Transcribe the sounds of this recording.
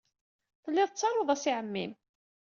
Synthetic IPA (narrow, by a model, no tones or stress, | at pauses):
θəlːɪðˤt͡sːɑɾˤoðˤæsiʕəmːim